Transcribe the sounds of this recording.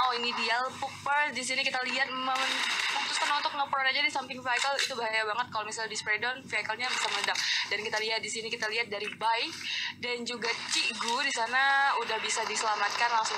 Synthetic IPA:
oinidialpuk̚pərdis̬inikit̪aliɦat̪̚məmɔt̪ʊspənɔnt̪ʊk̚nɔpɾɔnad͡ʒadisamt̪ɪŋfiakalit̪ubaɦajabaŋət̪̚kalomisaldispɾedɔnfiakalɲabisamənədak̚dankit̪aliat̪̚disinikit̪aliat̪̚daɾibaɪk̚dand͡ʒuɡat͡ʃiɡudisanaudahbisadisəlamat̪̚kanlaŋsʊŋ

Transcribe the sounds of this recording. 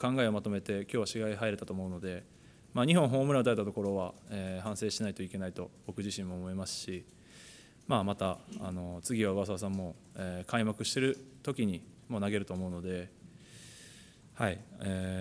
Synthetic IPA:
kãŋɡaeo̞mat̪o̞me̞t̪e̞kʲo̞ːβaɕiɡaiɦaiɾe̞t̪at̪o̞ːmo̞ɯ̟no̞d̪e̞ | maːɲ̟iɦõ̞ɦo̞ːmɯ̟ɾaot̪aet̪at̪o̞ko̞ɾo̞βaeːɦãɰ̃se̞ːɕinait̪o̞ike̞nait̪o̞b̥o̞kɯ̟ʑiɕĩmːo̞ːmo̞imasɨ̥ɕi | mamat̪aa̰no̞t͡sɨɡʲiβaɯβas̬as̬ãmːo̞ | eːkʰaimakɯ̟ɕi̥t̪e̞ɾɯ̟t̪o̞kʲiɲ̟imo̞naɡe̞ɾɯ̟t̪o̞ːmo̞ɯ̟no̞d̪e̞ | haieː

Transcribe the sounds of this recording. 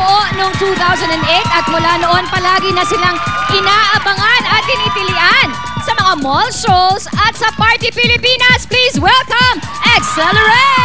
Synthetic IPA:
ʔonoŋt̪uːθawsɐnd̪ɐnd̪ʔejt̪ɐt̪̚mʊlaːnoʔonpɐlaːɡɪnɐsɪlaŋʔɪnaːʔɐbɐŋanɐt̪̚dɪniːpɪlɪʔan | sɐmɐŋamɔlʃowsɐt̪sɐpaɹt̪ipɪlɪpiːnɐspliːswɛlkɐmʔɛksɛlɛɹe

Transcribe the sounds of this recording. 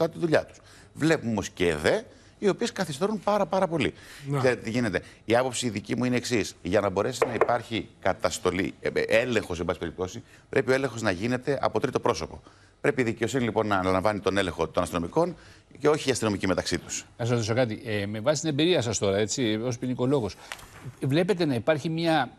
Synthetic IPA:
ɐt̪iðuʎɐt̪u̥s | vle̞punumo̞sce̞ðe̞ | io̞pie̞skɐθist̪e̞ɾunpɐɾɐpɐɾɐpo̞liθe̞ɾet̪et̪iʝine̞t̪e̞iɐpo̞psiðicimuineːksisʝɐnɐbo̞ɾe̞sinɐipɐɾçikɐt̪ɐst̪o̞lḭe̞le̞ŋxo̞sembɐsi̥pe̞ip̚t̪o̞si | pɾʔe̞pio̞e̞le̞ŋxo̞znɐʝine̞t̪e̞ʔɐ̰po̞t̪ɾit̪o̞pɾo̞so̞po̞̰ | pɾe̞piːðice̞o̞sinilipo̞nːɐːnɐlɐɱvɐnit̪o̞ne̞le̞ŋxo̞t̪o̞nɐst̪inomiko̞n | ce̞o̞çiːɐst̪ino̞micime̞t̪ɐksit̪u̥sɐsɾot̪isokɐt̪ime̞vɐsi̥t̪inembiɾiɐsɐst̪o̞ɾɐe̞t͡siospinikolo̞ɣosvle̞pe̞t̪e̞nɐipɐɾçimɲɐ

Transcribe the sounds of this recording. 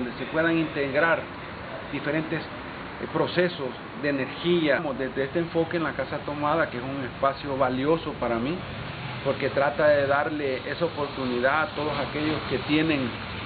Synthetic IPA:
nd̪ese̞pwe̞ðaŋint̪e̞ɣɾaɾ | d̪ife̞ɾe̞nt̪e̞s | pɾo̞se̞so̞z | d̪eːne̞ɾxiamo̞zd̪ezd̪eest̪eːɱfo̞keːnlakasat̪o̞maðakeesuŋe̞spasjo̞βaljo̞so̞paɾami | po̞ɾke̞t̪ɾat̪aðe̞ðaɾle̞e̞saopo̞ɾt̪uniðaat̪o̞ðo̞sake̞ʝo̞ske̞t̪je̞ne̞ŋ

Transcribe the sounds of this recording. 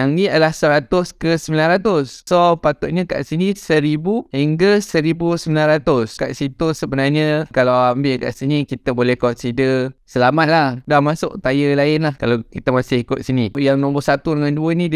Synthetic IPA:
jaŋniadəlahsəɾat̪ʊskəsəmbilanɾat̪ʊssopat̪ʊʔ̪̚ɲəka̰ʔsinĩsəɾibuhiŋɡəsəɾibusəmilanɾat̪ʊska̰ʔsit̪usəbənarɲəkalawambɪʔka̰ʔsinikit̪əbolɛhkɔʔ̪sidəsəlamat̪̚lahdahmasʊ̰ʔt̪ajəlaɪnlahkalawkit̪əmasɪhikʊt̪̚sinijaŋnɔ̃mbɔsat̪udəŋanduənid

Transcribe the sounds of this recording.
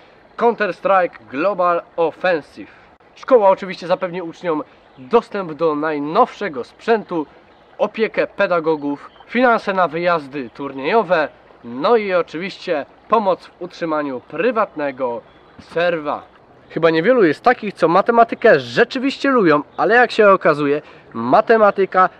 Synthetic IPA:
kɔnt̪ɛɾst̪ɾajkɡlɔbalɔfɛ̃nsif | ʂkɔwaɔt͡ʂɘvʲiɕt͡ɕɛzapɛvɲiut͡ʂɲɔm | d̪ɔst̪ɛmbd̪ɔnajnɔfʂɛɡɔspʂɛnt̪u | ɔpʲjɛkɛpɛd̪aɡɔɡuffʲinansɛnavɘjazd̪ɘt̪uɾɲejɔvɛ | nɔiɔt͡ʂɘvʲiɕt͡ɕɛ | pɔmɔt̪svutʂɘmaɲupɾɘvat̪nɛɡɔ | sɛɾva̰ | xɘbaɲɛvʲjɛlujɛst̪ːakʲixt̪sɔmat̪ɛmat̪ɘkɛʐɛt͡ʂɘvʲiɕt͡ɕɛlubʲjɔ̃w̃alɛjakɕɛɔkazujɛ | mat̪ɛmat̪ɘka

